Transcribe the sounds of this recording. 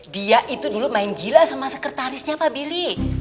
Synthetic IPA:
diaʔit̪udulumaɪnd͡ʒilasamasəkərt̪aɾɪsɲaːpabili

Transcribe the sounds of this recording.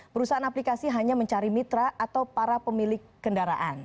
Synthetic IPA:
pəɾusaanaplikasiɦaɲaməɲt͡ʃaɾimit̪ɾaʔat̪awpaɾapəmilɪkːəndaɾa̰ʔan

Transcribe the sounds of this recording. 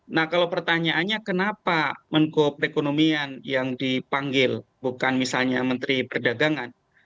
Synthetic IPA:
nahkalawpərt̪aɲaʔːnɲakənapaməŋkopəɾekonomianjaŋdipaŋɡɪl | bukanmisalɲamənt̪ɾipərdaɡaŋan

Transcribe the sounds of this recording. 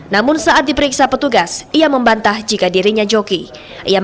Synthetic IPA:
namʊnsaʔat̪̚dipəɾiksapət̪uɡasiaməmbant̪ahd͡ʒikadiɾiɲad͡ʒoki | ʔija

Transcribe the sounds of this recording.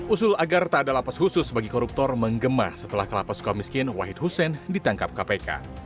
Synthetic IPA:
usʊlaɡart̪aːdalapashusʊsbaɡikɔɾup̚t̪ɔrməŋɡəma̰sət̪əlahkəlapaskɔmiskɪnwaɦɪt̪̚husɛndit̪aŋkap̚kapeka̰

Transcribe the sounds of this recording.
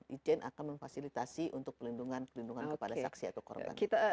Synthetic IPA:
id͡ʒɛnʔa̰kanməɱfasilit̪asiʔunt̪ʊk̚pərlinduŋanpərlinduŋannkəpadasa̰ksia̰t̪awkɔ̰rba̰nkit̪a

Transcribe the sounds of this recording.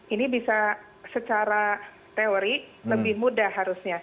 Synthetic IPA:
inibisa | sət͡ʃaɾa | t̪eoɾiləbɪhmudahaɾusɲa

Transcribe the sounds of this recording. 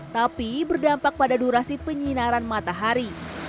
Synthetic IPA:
t̪apibərdampak̚padaduɾasipəɲinaɾanmat̪aɦaɾi

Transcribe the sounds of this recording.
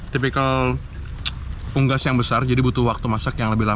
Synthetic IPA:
t̪ip̬ikal | puŋɡasjaŋbəsard͡ʒadibut̪ʊhwak̚t̪umasakjaŋləbɪɦla

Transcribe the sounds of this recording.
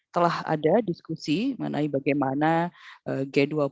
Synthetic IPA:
t̪əlaha̰dadiskusiməə̰na̰ibaɡajmanaʔəɡɛdua

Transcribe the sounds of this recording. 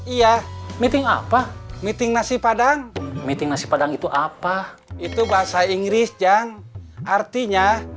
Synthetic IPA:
ijamit̪iŋa̰pamit̪iŋnasipadaŋmit̪iŋnasi̥padaŋit̪uʔapa | it̪ubaɦasaiŋɡɾisd͡ʒaŋart̪iɲa

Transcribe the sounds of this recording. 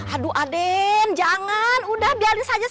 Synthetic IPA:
aduʔadɛnd͡ʒaŋanudahbialinsad͡ʒa

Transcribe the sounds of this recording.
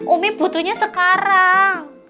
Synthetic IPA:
ʔumɪb̥ṳt̪uɲasəkaɾaŋ

